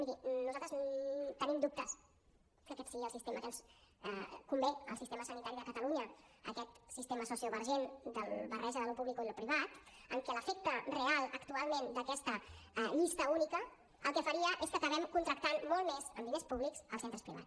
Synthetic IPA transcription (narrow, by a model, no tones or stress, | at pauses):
miðinuzalt̪ɾəzt̪ənimd̪up̚t̪əs | kəkɛt̪səɣiəlˠsist̪eməkɛs | kumbeəlsist̪eməsənit̪aɾiðəkət̪əluɲəə̰kɛt̪sist̪eməsusioβəɾʒend̪ə̰lβərʔɛʒəðəlupuβlikoiləpɾiβat̪əŋkɛləfek̚t̪ərealˠəkt̪ualˠmend̪əkɛst̪əʎist̪əunikə | əlˠkɛfəɾiəʔeskəkəβɛmkunt̪ɾək̚t̪anmɔlˠmezə̰nd̪inespuβliksəlˠsent̪ɾəspɾiβa̰t͡s